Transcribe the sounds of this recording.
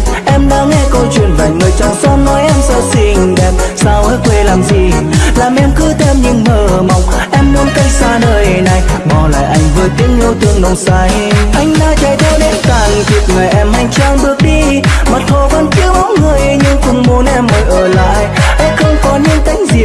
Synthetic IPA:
ʔɛ˧mnaː˨˦ŋɛ˧kɔ˧jt͡ɕwi˨˩nva̰˨˩jŋəː˨˩jt͡ɕɔ˧˩nsɔ˧˦nnɔ˨˦jʔɛ˧msəː˧si˧˩ŋ̟ɗɛ˨˩p̚saː˧˩wʔəː˧˦jkwe˧˩laː˨˩mzi˨˩laː˨˩mʔɛ˧mkɨ˨˦t̪ʰɛ˧mɲɨ̰˧˥ŋməː˨˩ma˨˩wŋ͡mʔɛ˧mːu˨˦ənkə˧jsaː˧nəː˧jna˨˩jɓɔ˨˩la̰ː˧˨jʔa˧jŋ̟vɨː˨˩jt̪i˧˦əŋʔu˧wt̪ɨ˧əŋɗo˨˧˩wŋ͡msaː˧˩j | ʔa˧jŋ̟naː˧˦t͡ɕaː˧˩jza˧˦wɗe˨˧˦nt̪aː˧˩ŋvi˨˩ət̚ŋa˨˩jʔɛ˧mha˧jŋ̟t͡ɕaː˧ŋɓɨ˧˩ək̚ɗi˧ma˨˩t̚t̪ʰo˧va˧nki˨˧˦əwma˨˦wŋ͡mŋɨ˨˩əjɲɨ˧ŋxʊ˧˩wŋ͡mmu˨˦ənʔɛ˧mːəː˨˦jʔəː˧˩la̰ː˧˨jʔa˧ŋxə˧wŋ͡mkɔ˨˦ɲɨ̰˧˥ŋt̪a˧˦ŋ̟zi˨˩

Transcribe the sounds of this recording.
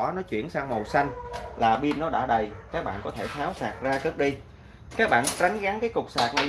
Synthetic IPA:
nɔ˨˦t͡ɕwḭ˧˩˨ənsaː˧ŋmo˨˩wsa˧jŋ̟laː˨˩ɓi˧ənːɔ˨˦ɗa̰ː˧˩ɗə˨˩jkaː˦˥k̚ɓa̰ː˧˨nkɔ˨˦t̪ʰe˧˩t̪ʰaː˨˦wsaː˨˩k̚zaː˧kə˦˥k̚ɗi˧ | kaː˦˥k̚ɓa̰ː˧˨nt͡ɕa˨˦jŋ̟ɣa˨˦ŋkaː˨˦jkʊ˨˩k͡p̚saː˨˩k̚nə˨˦

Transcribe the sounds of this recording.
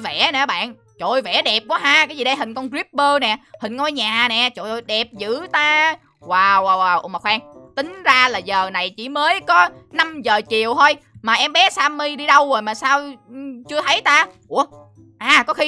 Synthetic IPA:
vɛ̰˧˩˥nɛ˨˩˨ɓa̰ː˧˨n | t͡ɕo̰˧˨jvɛ̰˧˩˦ɗɛ˨˩p̚kwɔː˨˦ɦaː˧kaː˨˦zi˨˩ɗə˧jɦï˨˩ŋ̟kɔ˧nɣɹi˦˥p̚ɓəː˧nɛ˨˩hï˨˩ŋ̟ŋɔ˧jɲaː˨˩nɛ˨˩t͡ɕo̰˧˨jɗɛ˨˩p̚zɨ̰˧˥t̪aː˧ | waː˨˩waː˨˩waː˨˩wʔma˨˩xwɛː˧ŋt̪ï˨˦ŋ̟zaː˧laː˨˩zəː˨˩na˨˩jt͡ɕḭ˧˩məː˨˦jkɔ˨˦na˧mzəː˨˩t͡ɕi˨˩əwt̪ʰo˧jmaː˨˩ʔɛ˧mɓɛ˨˦saː˧mi˧ɗi˧ɗə˧wzo˨˩jmaː˨˩saː˧wt͡ɕɨ˧ət̪ʰə˨˦jt̪aː˧ʔu˧˩ə | ʔaː˨˩kɔ˨˦xi˧

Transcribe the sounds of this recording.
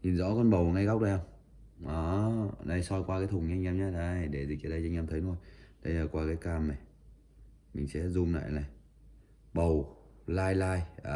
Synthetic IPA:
ɲi˨˩nzɔ̰˧˥kɔ˧nɓə˨˩wŋa˧jɣa˦˥wk͡p̚ɗə˧˨a˧w | ʔaː˨˦na˧˩jsɔ˧jkwaː˧kaː˨˦jt̪ʰʊ˨˩ŋ͡mɲi˧ŋ̟ʔɛ˧mɲaː˨˦ɗa˧˩jɗe˧˩zi˨˩əː˧˩ɗə˧ja˧ŋʔɛ˧mt̪ʰə˨˦jno˧˩jɗə˧jlaː˨˩kwaː˧kaː˨˦jkaː˧mna˨˩ | mï˨˩ŋ̟sɛ̰˧˥zʊ˧mna̰ː˧˨jlaː˨˩ | ɓə˨˩w | laː˧jlaː˧j

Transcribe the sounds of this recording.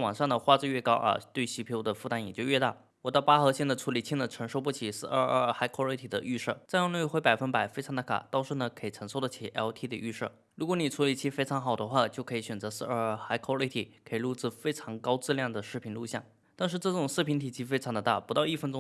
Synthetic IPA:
wɑ˨˩ŋʂɑ˥˩ŋd̪ə˩xwa˥˧t͡s̩˥˧ɥɛ˥˩kɑ˥ʊʔa̰˧˩t̪we˥˩ɪɕi˧˥pʰo˧˥ʊd̪ə˨fu˥˧a˧˥njɛ˨˩t͡ɕjo˥˧ɥɛ˥˧t̪a̰˥˩ | wɔ˨˩t̪ɑ˥˩pa˥xɤ˧˥ɕjnd̪a˧ʈ͡ʂʰu˧˥li˨˩t͡ɕʰi˥˩nd̪ə˩ʈ͡ʂʰə˧˥ŋʂo˥ʊp̬u˥˩t͡ɕʰi˧˩sɹ̩˥˧ə˥˧˩ə˥˩xa˥ɪkʰwɔ˥li˧˥t̪ʰi˨˩d̪ə̰˦y˥˧ʂɤ̰˥˩t͡sjɑ˥˧ŋnwe˥˧˩xwe˧˥ɪpa˨˩ɪfə˥npa˨˩ɪfe˥ɑ˧˥ŋd̪ə˧˩kʰa̰˨˩t̪ɑ˥ʊʂɻ̩˥˩nə˩kʰɤ˧˥i˨˩ʈ͡ʂʰə˧˥ŋʂo˥ʊd̪ə˧t͡ɕʰi˧˩ʔɛ˧˥lt̪ʰi˧˥d̪ə˧y˥˧ʂɤ̰˥˩ | ɻu˧˥kwɔ˧˥ni˨˩ʈ͡ʂʰu˧˥li˨˩t͡ɕʰi˥fe˥ʈ͡ʂʰɑ˧˥ŋxɑ˨˩ʊd̪ə˦xwa˥˧t͡ɕjo˥˩ʊkʰɤ˧˥i˧˩ɕɥɛ˨˩nt͡sɤ˧˥sɹ̩˥˧ə˞˥˩xa˥ɪkʰwɔ˥i˧˥t̪ʰi˨˩kʰi˨˧lu˥˧t͡sɹ̩˥˧fe˥ɪʈ͡ʂʰɑ˧˥ŋkɑ˥ʊt͡sɹ̩˥˧ljɑ˥˩ŋd̪ə˩ʂɻ̩˥˩pʰi˧˥nlu˥˧ɕjɑ˥˩ŋ | t̪a˥˧nʂ̬ɻ̩˥˧ʈ͡ʂɤ˥˩ʈ͡ʂʊ˨˩ŋsɹ̩˥˩pʰi˧˥nt̪ʰi˨˩t͡ɕʰi˧˥fe˥ɪʈ͡ʂʰɑ˧˥ŋd̪ə˧t̪a̰˥˩pu˧˥t̪ɑ˥˧ʊi˥˩fə˥nʈ͡ʂʊ˥

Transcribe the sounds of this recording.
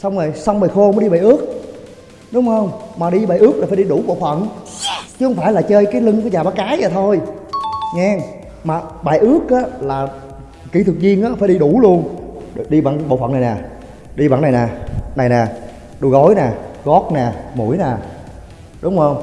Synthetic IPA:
sa˧wŋ͡mo˨˩jsa˧wŋ͡mɓaː˨˩jxo˧mə˨˦ɗi˧ɓaː˨˩jʔɨ˦˥ək̚ | ɗʊ˨˦ŋ͡mhə˧wŋ͡mmaː˨˩ɗi˧ɓaː˨˩jʔɨ˦˥ək̚laː˨˩faː˧˦ɗi˧ɗu˧˩ɓo̰˧˨fə̰˧˨n | t͡ɕɨ˦hə˧wŋ͡mfaː˧˩jlaː˨˩t͡ɕəː˧jkaː˨˦jlɨ˧ŋku˧˩əzaː˨˩ɓaː˨˦kaː˨˦jzaː˨˩t̪ʰo˧j | ŋɛ˧ŋ | maː˨˩ɓaː˨˩jʔɨ˦˥ək̚ʔaː˨˦laː˨˩ | ki˧˩t̪ʰɨ˨˩k̚zi˧ənʔaː˨˦faː˧˦jɗi˧ɗu˧˩lu˧ən˨ɗi˧ɓaː˧˨ŋɓo̰˧˨fə̰˧˨na˨˩jnaː˨˩ | ɗi˧ɓa̰ː˧˨nːa˨˩naː˨˩na˨˩jnaː˨˩ | ɗu˧˩ɣo˨˦jnaː˨˩ɣɔ˦˥k̚naː˨˩mu˧˩˦jnaː˨˩ | ɗʊ˨˦ŋ͡mhə˧wŋ͡m

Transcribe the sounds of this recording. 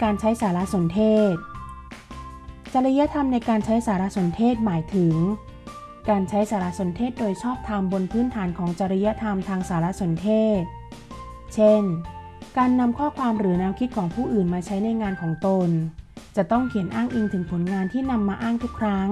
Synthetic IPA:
kaː˧nt͡ɕʰa˦˥jsaː˩˦ɾa˦˥ʔso˩˦nt̪ʰeː˥˩t̪̚ | t͡ɕa˧ɾa˧ja˦˥t̪ʰa˧mna˧jkaː˧nt͡ɕʰa˦˥jsaː˩˦ɾa˦˥ʔso˨˩˦nt̪ʰeː˥˩t̪̚maː˩˦jt̪ʰɯ˨˩˦ŋ | kaː˧nt͡ɕʰa˦˥jsaː˩˦la˦˥so˩˦nt̪ʰeː˥˩t̪̚doː˧jt͡ɕʰɔː˥˩p̚t̪ʰaː˧mbo˧npʰɯː˦˥nt̪ʰaː˩˦nkʰɔː˩˦ŋt͡ɕa˧ɾa˧ja˦˥t̪ʰa˧mt̪ʰaː˧ŋsaː˩˦ɾa˦˥so˨˩˦nt̪ʰeː˥˩t̪̚ | t͡ɕʰe˥˩n | kaː˧nːa˧mkʰɔː˥˩kʰwaː˧mɾɯː˩˦na˦˧˥mkʰi˦˥t̪̚kʰɔː˩˦ŋpʰuː˥˩ʔɯː˨˩nmaː˧t͡ɕʰa˦˥jna˧jŋaː˧nkʰɔː˩˦ŋt̪o˧nt͡ɕa˨˩t̪ɔ˥˩ŋkʰi˨˩˦ənʔaː˥˩ŋʔi˧ŋt̪ʰɯ˩˦ŋpʰo˩˦nŋaː˧nt̪ʰiː˥˩na˧mːaː˧ʔaː˥˩ŋt̪ʰiː˦˥˩kʰɾa˦˥ŋ

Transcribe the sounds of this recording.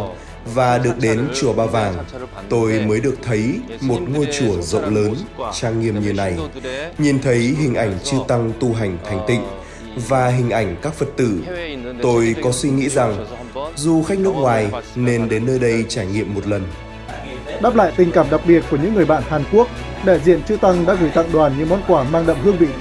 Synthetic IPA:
vaː˨˩ɗɨ˨˩ək̚ɗe˨˦nt͡ɕu˧˩əɓaː˧˩wvaː˨˩ŋt̪o˧jməː˨˦jɗɨ˨˩ək̚t̪ʰə˨˦jmo˨˩t̚ŋo˧jt͡ɕu˧˩əzə̰˧˨wŋ͡mləː˨˦nt͡ɕaː˧ŋːi˧əmɲi˧˩nːa˨˩jɲi˨˩nt̪ʰə˨˦jɦï˨˩ŋ̟ʔa˧˩jŋ̟t͡ɕɨ˧t̪a˧ŋt̪u˧ɦa˨˩jŋ̟t̪ʰa˨˩jŋ̟t̪ḭ̈˧˨ŋ̟ | vaː˨˩ɦï˨˩ŋ̟ʔa˧˩jŋ̟kaː˦˥k̚fə˨˩t̚t̪ɨ̰˧˩t̪o˧jkɔ˨˦swi˧ŋḭ˧˥za˨˩ŋ | zu˨˩xa˦˥k̚nɨ˦˥ək̚ŋwaː˨˩jne˧nɗe˨˦nːəː˧jɗə˧jt͡ɕaː˧˩jŋḭ˧˨əmːo˨˩t̚lə˨˩n | ɗaː˦˥p̚la̰ː˧˨jt̪ï˨˩ŋ̟kaː˧˩mɗa˨˩k͡p̚ɓi˨˩ət̚ku˧˩əɲɨ̰˧˥ŋːɨ˨˩əjɓa̰ː˧˨nhaː˨˩nku˦˥ək̚ | ɗɛ˧˩zḭ˧˨ənt͡ɕɨ˧t̪a˧ŋɗa̰ː˧˥ɣɨ˧˩jt̪a̰ː˧˨ŋɗwaː˨˩nɲɨ̰˧˥mɔ˧nkwaː˧˩maː˧ŋɗə̰˧˨ŋ͡mhɨ˧əŋɓḭ˧˨

